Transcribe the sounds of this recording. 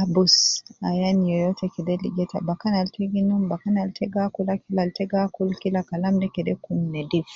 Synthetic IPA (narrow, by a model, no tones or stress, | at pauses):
abusa̰janijɔjɔtʰɛkidɛliɡɛta̰bakanaltiɡinumbakanaltʰɛɡakulakilaltɛɡakulkilakalamdɛkɛdɛkumnɛdif